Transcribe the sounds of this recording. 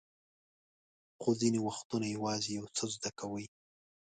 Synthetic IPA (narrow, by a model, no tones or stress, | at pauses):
xozinewaxt̪unajawɑzejawt͡səzd̪akawəj